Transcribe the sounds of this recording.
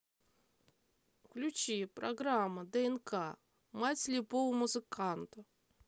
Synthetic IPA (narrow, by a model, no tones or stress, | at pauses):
klʲʉt͡ɕipɾɐɡɾamːəd̪əɛnkʰa | matʲlʲɪpovəmʊzɨkant̪ə